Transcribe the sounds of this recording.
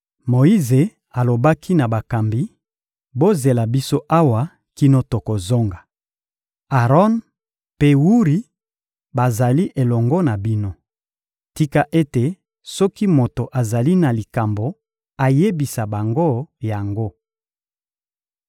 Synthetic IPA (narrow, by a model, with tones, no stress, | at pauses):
mo˨i˦ze˨ | a˨lo˨ba˦kʰi˦na˨ba˨ka˨mbi˦ | bo˦ze˨la˨bi˦so˦ʔa˦wa˨ | ki˦no˦to˨ko˨zo˦ŋɡa˨ | a˨ʁɔ˦n | pe˦wu˦ʁi˨ | ba˨za˨li˦ʔe˨lɔ˨ŋɡɔ˦na˨bi˦no˦ | ti˦ka˦ʔe˦te˨ | sɔ˦ki˦mo˨to˨ʔa˨za˨li˦na˨li˨ka˨mbo˨ | a˨je˦bi˨sa˨ba˨ŋɡo˦ja˨ŋɡo˦